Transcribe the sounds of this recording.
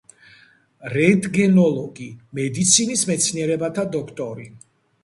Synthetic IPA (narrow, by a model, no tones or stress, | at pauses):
ɾɛd̪ʼɡɛnɔlˠɔɡimɛd̪it̪sʰinismɛt̪sʰniɛɾɛbat̪ʰad̪ɔkʰt̪ʼɔɾi